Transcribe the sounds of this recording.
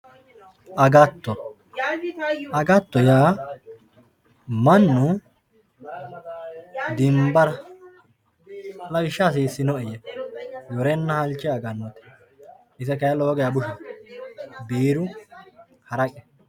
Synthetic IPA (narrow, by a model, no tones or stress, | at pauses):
ʔɐɡɐt̪ːɔ | ɐɡɐt̪ːɔjaː | mɐnːʊ | d̪ɪmbɐɾɐ | lɐwɪʃːaːs̬iːsːɪnɔɛjɛjɔɾɛnːɐhɐlt͡ʃːɪɐɡɐnot̪ɛ̥ | ɪzɛkɐjɐloːɡɛjabʊʃɛ | biːɾʊ | hɐɾɐkʼɛ